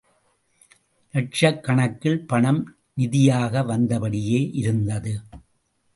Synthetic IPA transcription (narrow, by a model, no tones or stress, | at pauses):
nɐʈt͡ʃɐkːɐɳɐkːɪɭpɐɳɐm | nɪðɪjaːɣɐʋɐnd̪ɐpɐɽɪjeːʔɪɾɯnd̪ɐðɯ